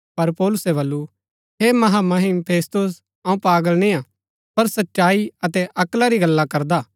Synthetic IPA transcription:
pɐɾpɔːlʊsɛβɐlːu | ɦemɐɦamɐɦɪmpʰeːst̪ʊs̬ | ãũpaːɡəlnĩːã | pɐɾsɐtːʃaːiɐt̪ɛʔɐklaɾiɡɐlːakɐɾd̪aː

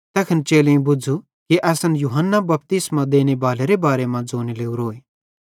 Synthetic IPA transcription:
t̪ɛːkʰənt͡ʃeːleũbʊd͡zʱu | kiʔɛːsənjuɦənːabɐp̚t̪ɪsmãd̪eːnebaːleɾebaːɾemãd͡zoːnileːuɾɦoːeː

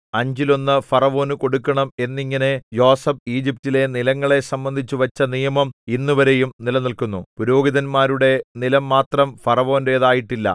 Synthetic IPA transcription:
ɐɲd͡ʑilo̞nːɨfɐrɐʋo̞ːnuko̞ɽukːɐɳɐme̞nːiŋːɐne̞jo̞ːsɐb̚iːd͡ʑip̚tile̞nilɐŋːɐɭe̞sɐmbɐnd̪ʱit͡ɕːuʋɐt͡ɕːɐnijɐmɐminːuʋɐɾe̞jumnilɐnilkunːupuɾo̞ːɡiðɐnmaːɾuɽe̞nilɐmːaːt̪rɐmfɐrɐʋo̞ːnɾe̞ːðaːjiʈːilːɐ̰

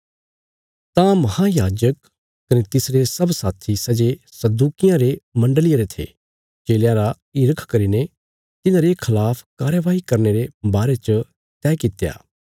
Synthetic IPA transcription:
t̪ãmɐhajaːd͡ʒək | kɐnet̪ɪsɾesɐbsaːt̪ʰisɐd͡ʒesɐd̪uːkɪjãɾemɐ̃ɳɖəlɪjeɾet̪ʰḛː | t͡ʃeːljãɾa | ɪɾəkʰkɐɾine | t̪ɪnãːɾekʰɐlaːpʰkaːɾjəʋaːɦikɐɾneɾebaːɾet͡ʃə | t̪ɛːkɪt̪ja̰ː

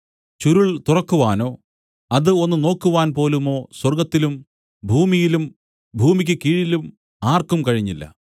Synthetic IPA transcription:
t͡ɕuɾuɭt̪urɐkːuʋaːno̞ː | ɐðɨo̞nːuno̞ːkːuʋaːnpo̞ːlumo̞ːswɐrɡɐt̪ːilum | bʱuːmijilum | bʱuːmik̬ʲːɨkiːɻilum | aːrkumkɐɻiɲːilːɐ̰

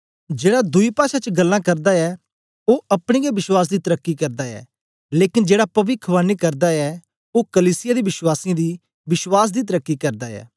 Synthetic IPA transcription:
d͡ʒeːɽad̪ʊipaːʃat͡ʃəɡɐlːãːkɐɾd̪aɛː | oːɐpɽ̃eːɡɛbɪʃwaːs̬d̪iːt̪ɐɾəkːikɐɾd̪aɛ̰ː | leːkɪnd͡ʒeːɽapɐʋɪkʰʋãːnːikɐɾd̪aɛ | okəliːsɪjaːd̪iːbɪʃwaːsiãd̪iː | ʋɪʃwaːs̬d̪iːt̪̬əɾəkːikɐɾd̪aːɛ̰ː

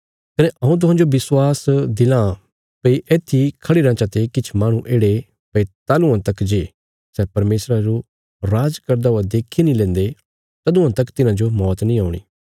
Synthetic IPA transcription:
kɐneʔɐɦũt̪̬ʊɦãːd͡ʒobɪswaːsd̪ɪlã | pəiʔeːt̪ʰːikʰɐɽiɾãːt͡ʃat̪ekɪt͡ʃʰmaːɽ̃ũʔeːɽe | pəit̪aːlũãt̪ɐkd͡ʒeː | sɛːpɐɾmeːsɾad͡ʒo | ɾaːd͡ʒkɐɾd̪aoad̪eːkʰːinĩlɛ̃ːnd̪e | t̪ɐd̪ũãt̪ɐkt̪ɪnãd͡ʒomɔːt̪nĩːaːʊɽ̃ḭː

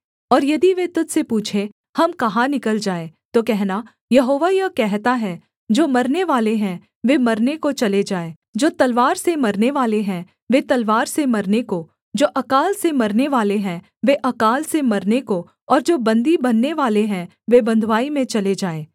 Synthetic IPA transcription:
ɔːɾjɐd̪iʋet̪ʊd̪sepuːt͡ʃʰe | hɐmkɐɦãnɪkəld͡ʒaːet̪okɛɦna | jɐɦoːʋajɐkɛɦt̪aɦɛ | d͡ʒoːmɐɾneʋaːleɦɛ̃ | ʋemɐɾnekot͡ʃɐled͡ʒaːeː | d͡ʒoːt̪ɐlʋaːɾsemɐɾneʋaːleɦɛ̃ | ʋet̪ɐlʋaːɾsemɐɾneko | d͡ʒoːʔɐkaːlsemɐɾneʋaːleɦɛ̃ | ʋeʔɐkaːlsemɐɾneko | ɔːɾd͡ʒoːbɐ̃nd̪ibɐnːeʋaːleɦɛ̃ | ʋebɐ̃nd̪ʱʋaːimẽt͡ʃɐled͡ʒaːeː

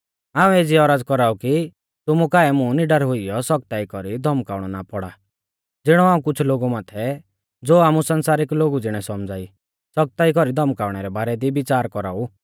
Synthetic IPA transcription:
aːũeːd͡ziɔɾaːd͡zkɔɾaːuki | t̪ʊmukaːɛmũniɖɐɾɦʊijɔsɔk̚t̪aːikɔɾid̪ʱɔmkaːʊɽ̃ɔnapɔɽa | d͡zɪɽ̃ɔaːũkʊt͡ʃʰloːɡumaːt̪ʰɛ | d͡zoːaːmusɐnsaːɾɪkloːɡud͡zɪɽ̃ɛsɔmd͡zaːi | sɔk̚t̪aːikɔɾid̪ʱɔmkaːʊɽ̃ɛɾɛbaːɾɛd̪ibɪt͡ʃaːɾkɔɾa̰ːu

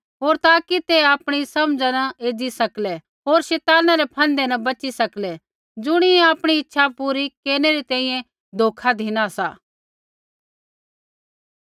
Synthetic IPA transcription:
ɦoːɾt̪aːkit̪eaːpɽ̃isɐmd͡ʒanɐeːd͡ʒisɐkle | ɦoːɾʃɛːt̪aːnaɾepʰɐ̃nd̪enɐ̃bɐt͡ʃisɐkle | d͡ʒʊɽ̃ieaːpɽ̃iɪtːʃʰapuːɾikeːneɾit̪ɛ̃ːĩːjɛ̃ | d̪ʱoːkʰad̪ʱinasa̰ː

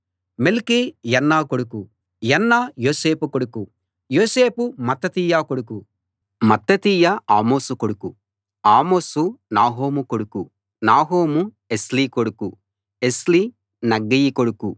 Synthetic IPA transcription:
melkijɐnːaːkoɽuku | jɐnːaːjoːseːpukoɽuku | joːseːpumɐt̪ːɐt̪iːjaːkoɽuku | mɐt̪ːɐt̪iːjaaːmoːsukoɽuku | aːmoːsunaːɦoːmukoɽuku | naːɦoːmu | esliːkoɽuku | esliː | nɐɡːɐjikoɽuku

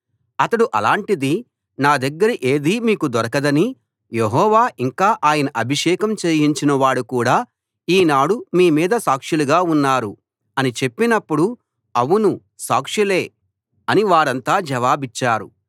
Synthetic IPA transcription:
ɐt̪ɐɽuʔɐlaːɳʈid̪i | naːd̪ɐɡːɐɾiʔe̞ːd̪iːmiːkud̪ɔɾɐkɐd̪ɐni | jeɦɔːʋaːʔiŋkaːʔaːjɐnɐʔɐbʱiʂɛːkɐmt͡ʃeːjiɲt͡ʃinɐʋaːɽukuːɽaː | iːnaːɽumiːmiːd̪ɐsaːkʂuluɡaːunːaːɾu | ɐnit͡ʃe̞pːinɐpːuɽu | ɐwunu | saːkʂule̞ː | ɐniʋaːɾɐnt̪aːd͡ʒɐʋaːbit͡ʃːaːɾṵ

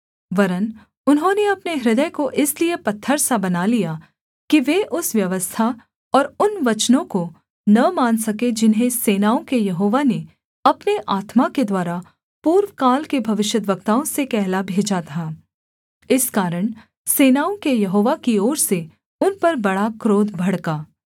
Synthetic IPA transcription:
ʋɐɾən | ʊnɦõːneɐpneɦɾɪd̪əjkoʔɪsliepɐt̪ʰːəɾsabɐnalija | kiʋeʔʊsʋjɐʋəst̪ʰa | ɔːɾʊnʋɐt͡ʃnõko | nɐmaːnsɐked͡ʒɪnɦẽseːnaːõkejɐɦoːʋane | ɐpneʔaːt̪maked̪waːɾa | puːɾʋkaːlkebʱɐʋɪʃjəd̪ʋəkt̪aːõsekɛɦlabʱeːd͡ʒat̪ʰaː | ɪskaːɾəɽ̃ | seːnaːõkejɐɦoːʋakiɔːɾse | ʊnpɐɾbɐɽakɾoːd̪bʱɐɽkaː

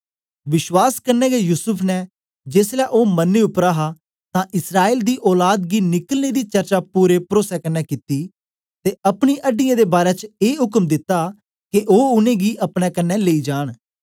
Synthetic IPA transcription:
ʋɪʃwaːskəɾnɛːɡeːjuːsʊpʰnɛ | d͡ʒeːslɛːʔoːmənːeːʊpɾaːɦaː | t̪ãːʔɪsɾaːeːld̪iːʔɔːlaːd̪ɡiːnɪkəlneːd̪iːt͡ʃəɾt͡ʃaːpuːɾeːpɾoːsɛːkənːɛːkit̪ːiː | t̪eːəpɽ̃iːʔəɖːijãːd̪eːbaːɾɛːt͡ʃeːɦʊkəmd̪ɪt̪ːaː | kɪʔoːʊnẽːɡiːʔəpɽɛːkənːɛːleiːd͡ʒaːɽ̃

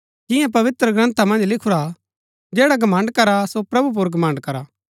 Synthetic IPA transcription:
d͡ʒɪ̃jãp̬ɐʋɪt̪ɾəɡɾɐ̃nt̪ʰamɐ̃nd͡ʒlɪkʰuɾa | d͡ʒɛːɽaɡɐmə̃ɳɖkɐɾasopɾɐbup̬ʊɾɡɐmə̃ɳɖkɐɾaː

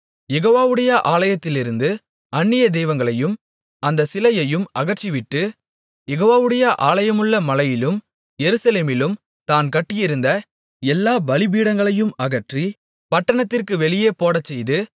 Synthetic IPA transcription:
jɛɣoːʋaːʋɯɽɐjɐʔaːlɐjɐt̪ːɪlɪɾɯnd̪ɯ | ʔɐnːɪjɐd̪ɛjʋɐŋɡɐɭɐjɯm | ɐnd̪ɐsɪlɐjɐjɯmʔɐɣɐʈt͡ʃiʋɪʈːɯ | jɛɣoːʋaːʋɯɽɐjɐʔaːlɐjɐmɯɭːɐmɐlɐjɪlɯm | jɛɾɯsɐleːmɪlɯm | t̪aːnkɐʈːɪjɪɾɯnd̪ɐ | ɛlːaːbɐlɪbiːɽɐŋɡɐɭɐjɯmɐɣɐʈri | pɐʈːɐɳɐt̪ːɪrkɯʋɛɭɪjeːpoːɽɐt͡ʃːɛjðɯ

